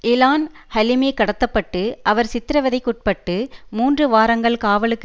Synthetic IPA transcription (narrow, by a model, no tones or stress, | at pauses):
ɪlaːn | hɐlɪmeːkɐɽɐt̪ːɐpːɐʈːɯʔɐʋɐɾsɪt̪ːɪɾɐʋɐðɐɪkːʊʈ̚pɐʈːɯmuːndrɯʋaːɾɐŋɡɐɭkaːʋɐɭɯkː